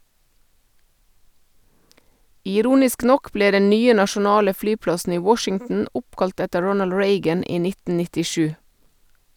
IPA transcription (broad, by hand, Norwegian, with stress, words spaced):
ɪˈɾuːnɪsk ˈnɔk ˈbleː ˈdɛn ˈnyːə nɑʃʊˈnɑːlə ˈflyːˌplɑsn̩ ˈiː ˈwɔʃɪŋtn̩ ˈʊpˌkɑlt ˈɛtə ˈɹɔnəl ˈɹeɪɡən ˈiː ˈnɪtn̩ nɪtɪˈʃʉː